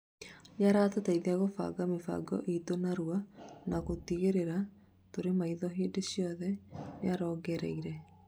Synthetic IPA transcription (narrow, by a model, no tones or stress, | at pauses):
ɲaɾaːtataiðeaɣofa̰ɡamefa̰ɡɔ̰ʔitonaɾuanaɣotiɣeɾeɾa | toɾemaiðɔɦeːdeɕiɔðɛnjaɾɔːɡɛɾɛ̰iɾɛ